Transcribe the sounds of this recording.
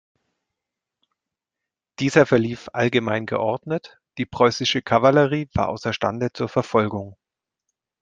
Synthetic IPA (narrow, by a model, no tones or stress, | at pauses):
d̥iːzɐfɛɐliːfʔalɡəmaɪnɡə̰ʔɔɐdnət | d̥iːpʁ̥ɔʏsɪʃəkʰavaləʁiːva̰ːɐʔa̰ʊsɐʃta̰ndət͡suːɐfɛɐfɔlɡʊŋ